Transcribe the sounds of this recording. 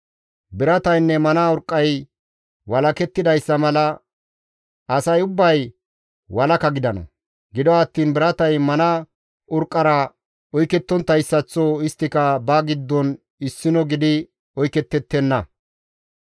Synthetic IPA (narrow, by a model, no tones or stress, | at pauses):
bɪɾɐt̪ɐjnːɛmɐnɐʊɾkʼːɐj | wɐlɐkɛt̪ːɪd̪ɐjsːɐmɐlɐ | ɐsɐjʊbːɐj | wɐlɐkɐɡɪd̪ɐnɐ̰ | ɡɪd̪ɔɐt̪ːiːnbɪɾɐt̪ɐjmɐnɐ | ʊɾkʼːɐɾɐ | ɔjkɛt̪ːɔnt̪ːɐjsːɐt͡sːɔɪst̪ːɪkɐbɐɡɪd̪ːɔn | ɪsːɪnɔɡɪd̪ɪ | ɔjkɛt̪ːɛt̪ːɛnːɐ